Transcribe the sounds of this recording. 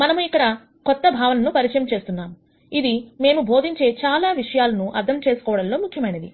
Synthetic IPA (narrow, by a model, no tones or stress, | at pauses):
mɐnɐmuikːɐɽɐ | kɔt̪ːɐbʱaːʋɐnɐnupɐɾit͡ʃɐjɐmt͡ʃe̞ːst̪unːaːmu | id̪ime̞ːmubʱo̞ːd̪ʱiɲt͡ʃe̞ːt͡ʃaːlaːʋiʂɐjaːlɐnuʔɐɾd̪ʱɐmt͡ʃe̞ːsu̥kɔːʋɐɽɐnlo̞ːmukʰjɐmɐjnɐd̪ḭ